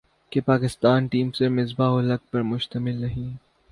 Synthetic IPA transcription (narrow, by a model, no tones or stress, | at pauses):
kepaːkɪst̪aːnʈiːmsemɪzbaɦʊlɐk̚pɐɾmʊʃt̪əmɪlnɐɦĩː